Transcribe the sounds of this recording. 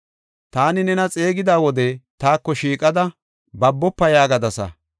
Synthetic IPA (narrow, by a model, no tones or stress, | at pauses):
t̪aːnɪnɛnɐt͡sʼe̞ːɡɪd̪aːwɔd̪ɛt̪aːkːɔʃiːkʼɐd̪ɐ | bɐbːɔpːɐjaːɡɐd̪ɐsɐ̰